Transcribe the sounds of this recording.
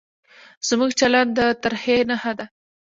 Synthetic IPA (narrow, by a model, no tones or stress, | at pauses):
z̥muɡt͡ʃaland̪̚d̪ət̪aɾhenahad̪a